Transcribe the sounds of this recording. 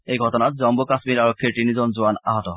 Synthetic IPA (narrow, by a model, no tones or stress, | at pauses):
ejɡʱɔtonat̪̚d͡ʑɔmbokasmiɾaɾokʰːeɾt̪inid͡ʑonzoana̰ɦɔt̪ɔ